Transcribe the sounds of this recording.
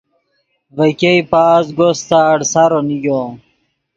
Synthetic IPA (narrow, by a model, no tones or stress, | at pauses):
vɐkeipaːzɡost̪aːɽsaɾonijo